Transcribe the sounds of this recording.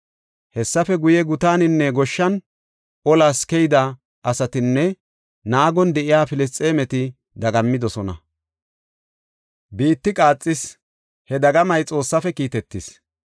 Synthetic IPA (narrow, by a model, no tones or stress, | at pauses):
hɛsːɐfɛɡʊjɛɡʊt̪aːnɪnːɛɡɔʃːɐn | ʔɔlaːskɛjd̪ɐ | ʔɐsɐt̪ɪnːɛ | naːɡɔnd̪ɛʔɪjaːfɪlɛs̬t͡sʼe̞ːmɛt̪ɪ | d̪ɐɡɐmːɪd̪ɔsɔnɐ̰ | biːt̪ːɪkʼaːt͡sʼːɪs | hɛd̪ɐɡɐmɐjt͡sʼo̞ːsːɐfɛkiːt̪ɛt̪ːɪs